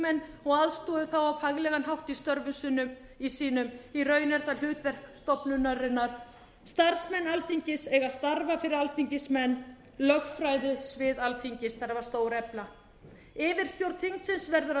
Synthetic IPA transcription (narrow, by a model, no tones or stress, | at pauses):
mɛnːɔɣaðst̪ɔːðʏθawawfaɣlɛɣanɦawht̪ist̪œɾvʏnsʏnʏm | isiːnʏmirœːɥnɛɾ̥θaɾl̥ʏːt̪vɛr̥kst̪ɔpnʏnaɾɪnːaɾ̥ | st̪ar̥smɛnːalθiɲcɪsɛɣast̪aɾvafɪɾɪɾalθiɲcɪsmɛnː | lœɣfɾajðʏsvɪːðalθiɲcɪsθaɾavaɾ̥st̪oːwɾɛpla | ɪːvɪɾ̥st̪jowɾt̪θiŋk̪sɪnsvɛɾðʏɾa